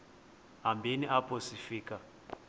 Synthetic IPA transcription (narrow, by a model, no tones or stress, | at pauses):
ɦambʱeniʔapʰʼosifiːkʼa